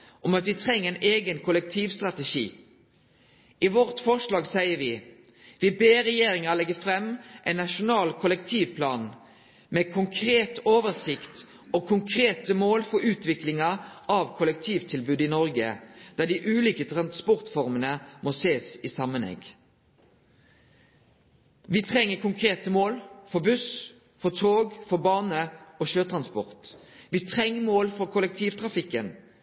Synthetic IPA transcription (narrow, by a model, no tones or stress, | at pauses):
ʔɔmɑt̪ʋɪt̪ʰʁɛŋːəɛɪnʔeːɡənkʰʊlək̚t̪ʰiːʋst̪ʁɑt̪əʃḭː | ɪʋɔʁt̪fɔʂlɑːɡsæɪəʋɪ | ʋɪbeːɾɛjeːɾɪŋɑlɛɡːəfɾɛmːʔɛɪnːɑʃʊnɑːlkʰʊlək̚t̪ʰiːʋpʰlɑːn | mɛkʰʊŋkʰɾeːt̪oːʋəsɪkt̪ | ɔkʰʊŋkʰɾeːt̪əmoːlfɔʉːt̪ʰʋɪklɪŋɑʔɑʋkʰʊlɛk̚t̪ʰiːʋt̪ʰɪlbʉːd̪əɪnɔɾɡəd̪̥æːd̪ɪʔʉːliːkət̪ʰʁɑnspʊʁt̪fɔʁmənəmoːseːsiːsɑmənɛ̰ɡ | ʋiːt̪ʰʁɛŋːəkʰʊŋkʰʁeːt̪əmoːlfɔbʉs | fɔt̪ʰoːɡfɔbɑːnəoːʃøːt̪ʰʁɑnspɔ̰ʁt̪ | ʋiːt̪ʰʁɛŋːəmoːlfɔɾkʰʊlɛk̚t̪ʰiːʋt̪ʰʁɑfɪkːən